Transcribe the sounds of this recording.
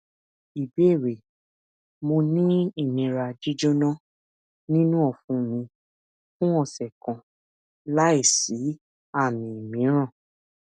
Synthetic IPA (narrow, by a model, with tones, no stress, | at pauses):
i˨bi˨˦e˦˨ɾe˨ | mo˧nĩ˦i˦˨nĩ˨ɾa˧d͡ʒi˦d͡ʒo˦nɔ̃˦ | nĩ˦nũ˦ɔ˦˨fũ˨˦mĩ˧ | fũ˦ɔ˦˨sɛ˨kã˨ | la˦i˦˨si˨˦ | a˦˨mĩ˨i˨mĩ˨˦ɾ̃ã˦˨